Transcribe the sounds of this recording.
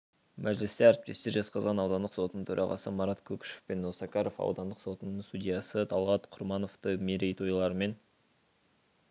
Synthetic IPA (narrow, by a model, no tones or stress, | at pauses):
mʔæʒlɪst̪eæɾɪp̚t̪e̞st̪e̞ɾʒɑsqɑzʁɑnɑwd̪ɑnd̪əqso̞t̪ənəɴt̪ʰɵɾʔɑʁɑ̰səmɑɾɑt̪kʲʰɵkʲʃe̥fpe̞nːosɑkɑɾo̞fɑ̰wd̪ɑnd̪əqso̞t̪ənəɴst̪udʲijɑsət̪ʰɑlˠʁɑt̪qʰʊɾmɑno̞ft̪əmeɾejt̪ʰojlˠɑɾəme̞n